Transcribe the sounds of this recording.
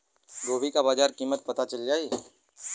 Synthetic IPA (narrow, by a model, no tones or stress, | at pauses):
ɡoːbʱikabaːd͡ʒaːɾkiːmət̪̚pɐt̪at͡ʃɐld͡ʒaːiː